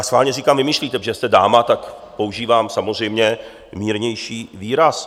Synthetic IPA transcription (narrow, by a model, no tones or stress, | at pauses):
asxʋaːlɲɛriːkaːmvɪmiʃliːt̪ɛʒɛst̪ɛdaːmat̪ak | po̞uʒiːvaːmsamozr̝ɛjmɲɛ | miːɾɲɛjʃiːviːɾas